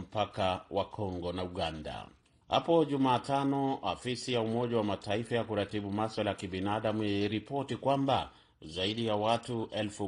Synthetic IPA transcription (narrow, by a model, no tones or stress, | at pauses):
m̩pakawʔakʰɔŋɡɔnauɠanda̰ | ha̰pɔʄumaːtanɔafisijaumɔʄawamataifajakuɾatiɓumaswalajakiɓinaːɗamuiɾipɔtikwamba | zaiɗijawatuʔɛlfu